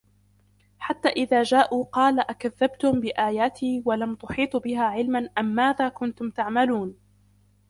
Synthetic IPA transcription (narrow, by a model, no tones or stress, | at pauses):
ħat̪ːaːʔɪðaːd͡ʒaːʔuːqɑːlaʔakaðːabt̪ʊmbɪʔaːjaːt̪ʰiːwalamt̪ʊħiːt̪ˤbɪɦaːʕɪlmanʔamːaːðaːkʊnt̪ʊmt̪aʕmaluːn